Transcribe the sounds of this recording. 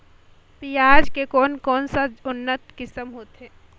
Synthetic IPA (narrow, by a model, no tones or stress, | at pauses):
pijaːd͡ʒkekɔːnkɔːnsaʊnːət̪kɪsəmɦoːt̪ɦɛː